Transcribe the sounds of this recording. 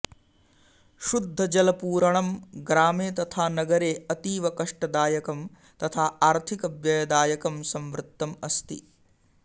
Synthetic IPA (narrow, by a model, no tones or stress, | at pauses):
ʃud̪ʱːɐd͡ʒɐlɐpuːɾɐɳɐmɡɾaːmeːt̪ɐt̪ʰaːnɐɡɐɾeːɐt̪iːʋɐkɐʂʈɐd̪aːjɐkɐm | t̪ɐt̪ʰaːʔaːɾt̪ʰikɐbjɐjɐd̪aːjɐkɐmsɐmʋɾɪt̪ːɐmɐst̪ḭ